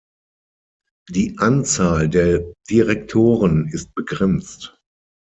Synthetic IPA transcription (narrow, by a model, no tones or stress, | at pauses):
d̥iːʔant͡saːldeːɐd̥iʁɛk̚tʰoːʁənɪst̚b̥əɡʁɛnt͡st